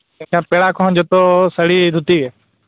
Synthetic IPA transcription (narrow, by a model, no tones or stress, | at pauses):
kãːpeːɽaːkʰɔ̃nd͡ʒoːt̪oːsəɽid̪ʱut̪iːeː